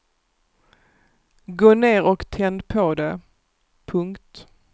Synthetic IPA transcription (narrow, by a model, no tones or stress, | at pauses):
ɡoːneːɾɔkt̪ʰɛnd̪pʰɔd̪ɛ | pʰɵŋkt̪